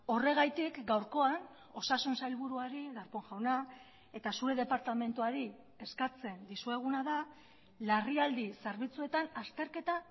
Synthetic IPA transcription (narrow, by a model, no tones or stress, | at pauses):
o̞re̞ɣ̞ajt̪ikɡawɾko̞an | o̞sasunsajlβuɾuaɾiɣaɾpo̞ŋʝawna | e̞t̪asuɾe̞ð̞e̞paɾt̪ame̞nt̪uaɾi | e̞skat͡se̞nd̪isue̞ɣ̞unaða | lariald̪iseɾβit͡sue̞t̪anast̪e̞ɾke̞t̪a